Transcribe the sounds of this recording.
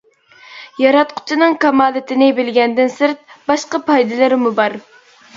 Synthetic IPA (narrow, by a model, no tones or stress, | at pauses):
jɑɾɑt̪qʰʊ̥t͡ʃʰinɨŋkɑmɑːlˠɨt̪ʰɪnɪbɪlɡʲɛnd̪ɪnsɨɾt̪̚bɑʃqɑpʰɑjd̪ɨlˠɨɾmubɑɾ